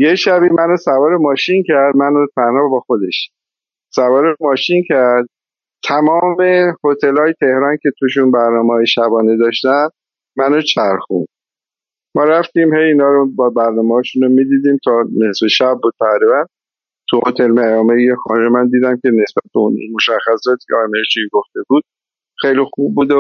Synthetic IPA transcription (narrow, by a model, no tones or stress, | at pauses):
jeʃæbiːmænosævɒːɾemɒːʃincʰæɾd̪mænot̪ʰænhɒːbɒxo̞d̪e̞ʃ | sævɒːɾemɒːʃincʰæɾd̪̥̚ | t̪ʰæmɒːme̞hot̪ʰe̞lɒːjet̪ʰe̞hɾɒːncʰʲe̞t̪ʰuʃunbæɾnɒːmehɒːjeʃæbɒːned̪ɒːʃt̪æn | mænot͡ʃʰæɾxṵnd̪̥̚ | mɒːɾæft̪iːmhejiːnɒːɾobɒbæɾnɒːmehɒːʃunomid̪iːd̪iːmt̪ʰɒːne̞sleʃæb̚ːud̪̚pʰæɣɾivænd̪ | t̪ʰuhot̪ʰelmæjɒːmeexɒnɾemænd̪iːd̪æmcʲʰe̞ne̞sbæt̪̚beṵn̰moʃæxːæsɒːt̪ʰi̥cʰeɒːjmeɾt͡ʃiɡo̞ft̪e̞buːd̪̥ | xejlixub̚ːuːd̪o